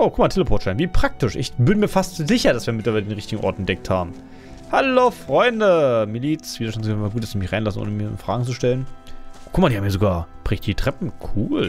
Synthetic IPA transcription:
ʔoːkʰʊkmaɐtʰeːləpʰoːtʃaɪnviːpʁ̥ak̚tɪʃʔɪ̰çbɪnmiːɐfastzɪçɐdasv̥iːɐmɪtlɐvaɪlədeːnʁɪçtɪɡŋ̩ʔɔ̰ɐtɛntd̥ɛk̚thaːbm̩ | haloːfʁ̥ɔʏndəmiliːt͡sviːdɐʃtantsɡnvaɡuːt̚d̥asd̥iːmɪçʁaɪnlasn̩ʔo̰ːnəmiɐɪ̰nfʁ̥a̰ːɡŋ̩t͡suʃtɛlənkʰʊmadiːhaːmiɐzoɡaːɐb̥ʁ̥ɪçt̚d̥iːtʁ̥ɛpm̩kʰuːl

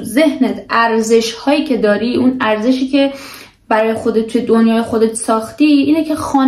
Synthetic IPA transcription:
ze̞ɦnet̪ʰʔæɾze̞ʃhɒːjiːcʰe̞d̪ɒːɾiʔunæɾze̞ʃiːce̞ | bæɾɒːjexo̞d̪et̪t̪ʰːujed̪onjɒːjexod̪et̪ʰsɒːxt̪iːʔiːnecʰe̞xɒːn

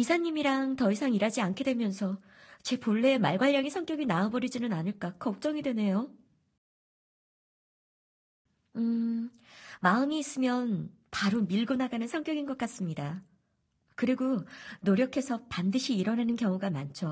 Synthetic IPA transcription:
isʰaɲːimiɾaŋtʌisʰaŋiɾad͡ʑiankʰe̞dwe̞mjʌnsʰʌ | t͡ɕe̞poɭːe̞maɭɡwaʎːaŋisʰʌŋk͈jʌɡinaɯbʌɾid͡ʑinɯnanɯɭk͈akʌk̚t͡ɕ͈ʌŋidwene̞jo | ɯ | maɯmiːs͈ɯmjʌn | paɾomiɭɡunɦaɡanɯnsʰʌŋk͈jʌɡinɡʌk͈as͈ɯmɲida | kɯɾiɡonoɾjʌkʰe̞sʰʌpandɯɕʰiːɾʌnɦanɯnkjʌŋuɡamant͡ɕʰo

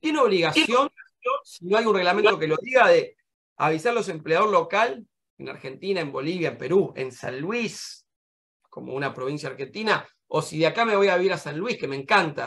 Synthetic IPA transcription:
t̪jeneo̞βliɣasjonsonsino̞ajunre̞ɣlament̪o̞ke̞lo̞ðiɣaðe | a̰βisaɾlo̞se̞mpleað̞o̞ɾlo̞kal | ena̰ɾxe̞nt̪inaembo̞liβjaempe̞ɾue̞̰nsa̰nlwis | ko̞mo̞̰unapɾo̞βinsjaɾxe̞nt̪ina | osiðeakame̞βojaβiβiɾasanlwihke̞mẽ̞ŋkant̪a̰

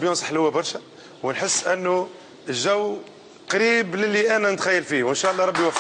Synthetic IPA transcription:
bjunsˤə̥ħlʊwæbɑɾˤʃæ | wənħəsːʔənːu | əʒːæwː | qɑɾibləlːiʔænænət̪xæjːəlfiwənʃæʔlˤːɑɾˤɑbːiwæf

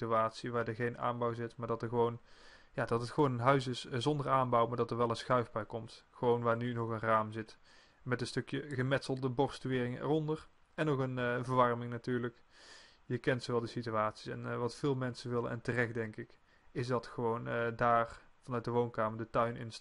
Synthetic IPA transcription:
tyaːtsiʋaːɹdəɹɣejna̰ːnbɔwzɪtmaːɹdɑtəɹɣəʋown | jaːdɑtətχəʋownənɦœɥsɪszɔndəraːnbɑwmaːɹdɑtəɹʋɛlˠənsxœɥvbɛjkɔmtxəʋownʋaːɹnynɔχənraːmzɪt | mɛtənstɵkjəɣəmɛtsəlˠdəbɔɹstyʋɪːrɪŋɛ̰rɔndər | ɛnokənvəɹʋɑɹmɪŋnatyːɹlək | jəkɛntsowʋɛlˠdəsityaːtsi̥sɛ̰nʋɑtfɪːlˠmɛnsəʋɪlənɛ̰ntərɛxt̚dɛŋkɪk | ɪsdɑtxəʋowndaːrv̥ɑnœɥt̚dəʋownkaːməɹdətœɥnɪ̰ns

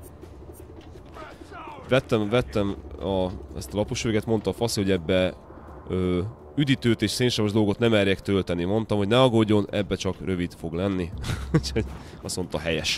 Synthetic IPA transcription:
ʋɛt̪ːɛmvɛt̪ːɛmɒɛ̰st̪ɒlɒpoʃøːɡɛt̪mo̞nt̪ɒfɒsiho̞ɟɛbːɛ | øː | yd̪it̪øːt̪eːʃseːnʃɛmoʒd̪o̞lɡo̞t̪nɛmɛrjɛkt̪ø̞lt̪ɛnimo̞nt̪ɒmho̞ɟnɛɒɡoɟːo̞nɛbːɛt͡ʃɒkrø̞vid̪fo̞ɡlɛnːiucho̞ɟ | ɒso̞nt̪ɒɦɛjɛʃ

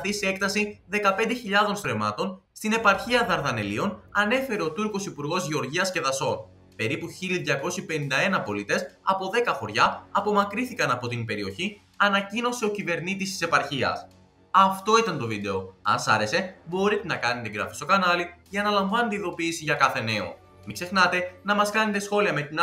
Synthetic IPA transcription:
ɐθise̞k̚t̪ɐsiðe̞kɐpe̞nd̪e̞çiʎɐðo̞nst̪ɾe̞mɐt̪o̞nst̪ine̞pɐɾçiɐðɐɾðɐne̞lio̞nɐne̞fe̞ɾe̞o̞t̪uɾko̞sipuɾɣo̞zʝio̞ɾʝiɐsce̞ðɐso̞n | pe̞ɾipuçiliðʝɐko̞sipe̞nind̪ɐe̞nɐpo̞lit̪e̞sɐpo̞ðe̞kɐxo̞ɾʝɐːpo̞mɐkɾiθikɐnɐpo̞t̪inpe̞ɾio̞çi | ɐnɐcino̞se̞o̞cive̞ɾnit̪̬ist̪i̥se̞pɐɾçiɐ̰s | ɐft̪o̞it̪ɐnt̪o̞vid̪e̞o̞ɐ̰nsɐ̰ɾe̞se̞bo̞ɾit̪e̞nɐkɐne̞t̪eɡɾɐ̰fi̥st̪o̞kɐnɐliʝɐːnɐlɐɱvɐnet̪eiðo̞piːsiʝɐkɐθe̞ne̞o̞̰ | mikse̞xnɐt̪e̞nɐmɐskɐne̞t̪e̞sxo̞liɐme̞t̪in

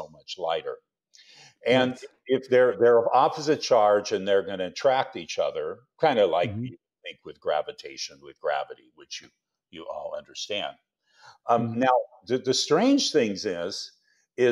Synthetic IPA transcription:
oʊmʌt͡ʃlaɪɾə̰˞ | ɨ̃n | ɪfðə˞ðə˞ʌvɑpəzɨt̚t͡ʃʰɑɹd͡ʒɨ̃nðə˞ɡʌnɨɨtʰɹ̥æk̚tit͡ʃʌðə˞kʰãɪ̃ndəlaɪk̚i | θɪ̃ŋkwɨðɡɹæ̰vɨtʰeɪʃɨ̃nwɨðɡɹæ̰vɨɾiwɨt͡ʃjɨ | jɨʔɔ̰lˠʌ̰̃ndə˞stæ̃nd̥̚ | naʊ | ðɨðɨstɹ̥ẽɪ̃nʒ̥θɪ̃ŋzɪz̥ | ɪ

